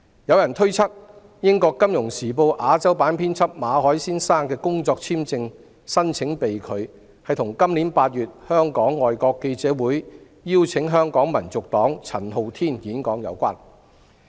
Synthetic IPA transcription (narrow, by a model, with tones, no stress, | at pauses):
jɐ˨˧wjɐ˨˩nt̪ʰɵ˥ɥt͡sʰɐ˥k̚ | jɪ˥ŋkɔː˧kːɐ˥mjʊ˨˩ŋsiː˨˩po˧wʔaː˨˧t͡sɐ˥wpaː˨˥npʰiː˥nt͡sʰɐ˥p̚maː˨˧hɔː˨˥jsiː˥nsaː˥ŋkɛː˧kʊ˥ŋt͡sɔː˧k̚t͡sʰiː˥mt͡sɪ˧ŋ | sɐ˥nt͡sʰɪ˨˥ŋpe˨jkʰɵ˨˧ɥ | hɐ˨jt̪ʰʊ˨˩ŋkɐ˥mliː˨˥npaː˧t̚jyː˨t̚hœː˥ŋkɔː˨˥ŋːɔː˨jkɔː˧kːe˧jt͡sɛː˨˧˥wuː˨˥j | jiː˥wt͡sʰɪ˨˧˥ŋɦœː˥ŋkɔː˨˥ŋmɐ˨˩nt͡sʊ˨k̚t̪ɔː˨˥ŋt͡sʰɐ˨˩nɦo˨wt̪ʰiː˥njiː˨˥nkɔː˨˥ŋjɐ̰˨˧wkʷa̰ː˥n